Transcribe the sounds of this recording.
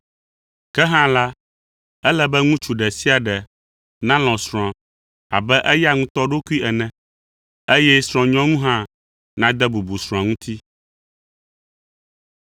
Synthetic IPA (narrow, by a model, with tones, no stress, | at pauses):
kɛ˦ɦã˦la˦ | ɛ˦lɛ˦bɛ˦ŋũ˦t͡ʃu˨ɖɛ˨si˦a˨ɖɛ˨ | nã˦lɔ̃˨sɾ̃ɔ̃˨ | a̰˨bɛ˦ʔɛ˦ja˦ŋũ˦t̪ɔ˦ɖo˦ku˦i˦ɛ˨nɛ̃˨ | e˦jɛ˦sɾ̃ɔ̃˨ɲɔ̃˦ŋũ˦ɦã˦ | nã˦d̪ɛ˦bu˨bu˨sɾ̃ɔ̃˨a˨ŋũ˦t̪ʰi˦